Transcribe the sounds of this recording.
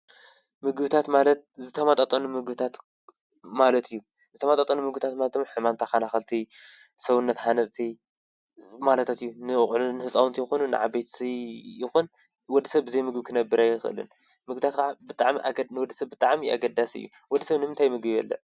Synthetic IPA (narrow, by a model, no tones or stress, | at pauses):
mɨɡbɨt̪ʰat̪malɐt̪̚zɨt̪ʰɐmat̪ʼat̪ʼɐnumɨɡbɨt̪ʰat̪ | malɐt̪ʰɨjːu | zɨt̪ʰɐmat̪ʼat̪ʼɐnumɨɡɨbɨt̪ʰat̪malɐt̪̚d̪ɨmːaħɨmamt̪ʰakanaxalt̪ʰisɐβɨnːɐt̪ħanɐt͡sʼt̪ʰi | malɐt̪ʰat̪ɨjːunɨɨχʼlunɨħɨsʼawunt̪ʰijɛxonunɨ̰ʕa̰bejt̪sijɪxun | wɔd̪ːsɐβbɨzɐjmɨɡɨbkʰɨnɐbːɨɾajːɪxɨɨ̰lɨ̰n | mɨɡbɨt̪ʰat̪kʰʕabɨt̪ʼaʕmiʔanɨwɔd̪ːɨsɐβbɨt̪ʼaʕmia̰ɡɐd̪asɨ̰jːṵ | wɔd̪isɐβnɨmɨnt̪ʰajmɨɡβijɛ̰lːɐ̰ʕ